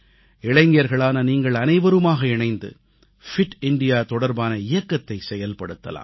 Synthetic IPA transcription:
ɪɭɐɪŋɡɪjɐɾɣɐɭaːnɐniːŋɡɐɭɐnɐɪʋɐɾɯmaːɣɐɪɳɐɪnd̪ɯ̰ | fɪʈɪɳɖɪjaːt̪ɔɽɐɾbaːnɐɪjɐkːɐt̪ːɐɪsɛjɐlpɐɽɯt̪ːɐ̰la̰ːm

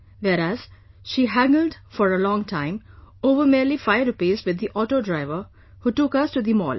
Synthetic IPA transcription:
ʋɛːɾæz̥ | ʃiːɦæ̃ŋɡəl̩ɖfɔɾəlɔ̃ːŋtʰãɪ̃moːʋəmɛəlifaɪəɾʊpiːzʋɪd̪ːiʔɔːʈoːɖɾaɪʋə | huːʈʊkʌsʈud̪imɔ̰ːl

